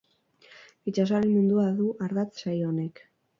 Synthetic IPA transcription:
it͡ʃasalimund̪uaðuʔaɾðat͡s̪sajone̞k

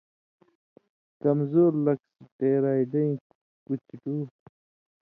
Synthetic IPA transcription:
kɐmzoːɾlɐksiʈeːɾaːiɖɐĩ | kut͡ɕiʈuː

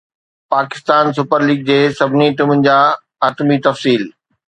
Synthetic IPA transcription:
paːkɪ̥st̪aːnsʊpəɾliːɡ̚d͡ʑeːsɐbʱɪniʈimənɪ̆d͡ʑaː | aːt̪mit̪ɐfsiːl

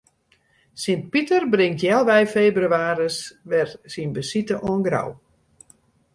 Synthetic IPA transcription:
sɪnt̚pitərbrɪŋtjɛlˠʋɛjfeːbryaːɾəsʋɛrsinbəsitəʔɔənɡra̰w

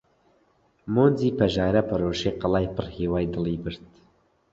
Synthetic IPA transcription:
moːnziːpɐʒɑːɾɐpɐɾoːʃeqəlɑːjpɨrheːwɑːjd̪ɨlˠiːbɨɾt̪

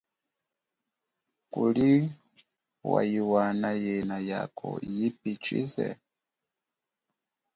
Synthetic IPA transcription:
kuli | wa̰jiwanajɛnaja̰kʰɔ̰jipit͡ʃḭzɛ̰

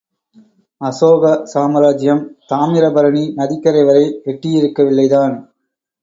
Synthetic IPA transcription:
ɐsoːɣɐsaːmɐɾaːd͡ʒɪjɐmt̪aːmɪɾɐbɐɾɐɳinɐðɪkːɐɾɐɪʋɐɾɐɪɛʈːɪjɪɾɯkːɐʋɪɭːɐɪðaːn

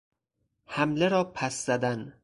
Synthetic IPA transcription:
hæmleɾɒːpʰæsz̥æd̪æn

